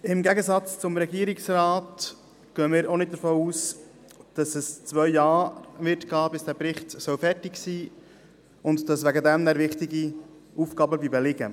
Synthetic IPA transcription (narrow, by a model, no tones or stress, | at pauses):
ɪmɡæɡəsɑt͡st͡sʊmɾɛɡiəɾɪksrɑːt | ɡ̥œːəmɪːɾonɪt̚d̥̪əɾfoːuːs | d̥ɑsɛst͡svœʏjɑːʋɪtkɑːbɪsd̥æːpɾɪχtsœwfɛɾtɪksiː | ʊntd̥ɑsʋæɡədɛmnæɾʋɪχtɪɡi | uːfɡɑbəbibɛlɪɡə